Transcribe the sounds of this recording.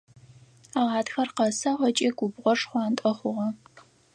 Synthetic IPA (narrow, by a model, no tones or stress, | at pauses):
aːʁɑːtxɐrqɐsɐʁʷɐt͡ʃʼeːɡʷʊbʁʷɔʂχʷɑːntʼɐχʷʊʁɐ